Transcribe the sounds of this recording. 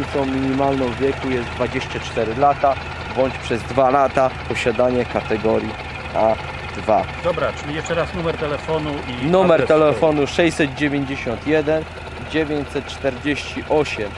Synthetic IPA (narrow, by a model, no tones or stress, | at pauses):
t̪sɔ̃w̃mʲiɲimalnɔ̃w̃vʲjɛkujɛstd̪d̪vad͡ʑeɕt͡ɕat͡ʂt̪ɛɾɘlat̪a | bɔɲt͡ɕpʂɛzd̪valat̪apɔɕad̪aɲɛkat̪ɛɡɔɾʲji | a | d̪̥vad̪ɔbɾat͡ʂmjɛʂt͡ʂɛɾasnumɛɾt̪ɛlɛfɔnuinumɛɾt̪ɛlɛfɔnuʂɛjsɛt̪̚d͡ʑevʲeɲd͡ʑeɕɔnt̪jɛd̪ɛn | d͡ʑevʲjeɲt͡ɕsɛt̪̚t͡ʂt̪ɛɾd͡ʑeɕt͡ɕiʔɔɕɛm